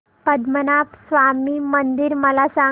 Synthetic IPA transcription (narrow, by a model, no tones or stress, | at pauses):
pəd̪mənapsʋamiːmənd̪iɾməlasa